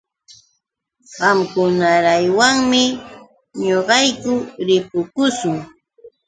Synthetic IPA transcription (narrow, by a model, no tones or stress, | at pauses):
ɢɑmkʊnaɾajwaŋmɪ | ɲoɢɑjkʊɾɪpʊkʊsʊŋ